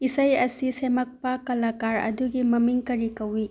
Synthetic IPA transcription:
isɐjɐsisemɐk̚pɐkɐlakaɾɐ̰duɡimɐmiŋkɐɾikɐwi

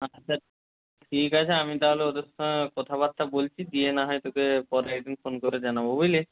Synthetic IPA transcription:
at͡ɕːʰa | ʈʰikat͡ɕʰeamit̪aɦoleod̪esokɔt̪ʰaβat̪ːɾabolt͡ɕʰid̪ienaɦɔet̪okepɔɾek̚d̪infonkoɾed͡ʑanabobujle

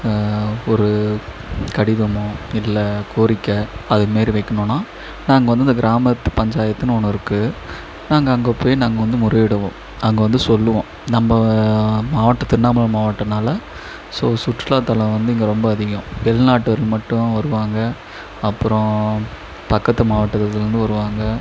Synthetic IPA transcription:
ɔɾɯ | kɐɽɪðɐmʊ̃ɪlːɐkʰoːɾɪkːɐɐðɯmeːɾiʋɐɪkːɐɳõːnːaː | naːŋɡɐʋɐnd̪ɯɪnd̪ɐɡɪɾaːmɐt̪ːɯpɐɲd͡ʒaːjɐt̪ːɯnɔnːɐɪɾɯkːɯ | naːŋɡɐːŋɡɐpːoːjnaːŋɡɐʋɐnd̪ɯmʊɾɐʋɪɽɐʋõ̰ː | ɐŋɡɐʋɐnd̪ɯsɔlːɯʋõː | nɐmbɐmaːʋɐʈːɐt̪ːɪnːaːmɐlɐmaːʋɐʈːɐnaːlɐ | soːsʊʈːɯlaːt̪ːɐlɐ̃ʋɐnd̪ɯɪŋɡɐɾɔmbɐːðɪɣɐ̃ʋɛlnaːʈːɯʋɐɾɪlmɐʈːʊ̃ʋɐɾɯʋaːŋɡɐ | ɐpːɯɾɔ̃ | pɐkːɐt̪ːɐmaːʋɐʈːɐt̪ːɐɪɾɯnd̪ɯʋɐɾɯʋaːŋɡɐ

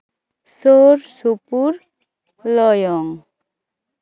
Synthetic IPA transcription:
soɾsupuɾ | lɔjɔŋ

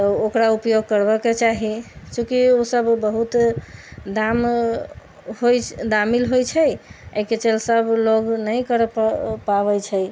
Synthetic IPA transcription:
t̪ɔokɾaupjoɡ̚kəɾbəket͡ʃaɦit͡ʃũkiosəbːəɦut̪ | d̪am | ɦod̪amilɦojt͡ʃʰɛjəket͡ʃelsəbloɡnəjkəɾppaβəjt͡ʃʰɛj

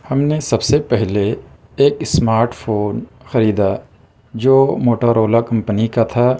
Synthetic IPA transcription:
hɐmnesɐbsepɛɦle | eːkɪsmaːɾʈpʰoːn | xɐɾiːd̪a | d͡ʒoːmoːʈaɾoːlakɐ̃mpnikat̪ʰaː

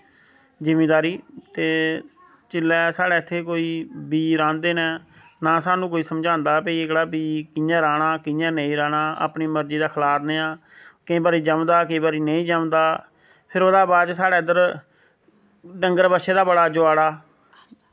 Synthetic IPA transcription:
d͡ʒɪmeːd̪aːɾiːt̪eː | t͡ʃɪlːɛːsaːɽɛːt̪ʰːeːkoːiːbiːɾãːnd̪eːnɛː | naːsaːnũːkoːiːsəmd͡ʒãːnd̪aːpeiːɪkɽaːbiːkɪjãːɾaːɽaːkɪjãːnə̃ĩːɾãːɽaːa̰ːpniːməɾd͡ʒiːd̪aːkʰlaːɾneːãː | kɪ̃ːbaːɾiːd͡ʒəmd̪aːk̬eːbaːɾiːnəĩːd͡ʒəmd̪aː | pʰɪɾoːd̪aːbaːd͡ʒsaːɽɛːɪd̪əɾ | ɖəŋɡəɾbəʃeːd̪aːbəɽaːd͡ʒʊaːɽaː

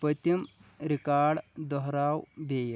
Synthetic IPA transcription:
pət̪imɾikaɽd̪ɔɦɾawbej

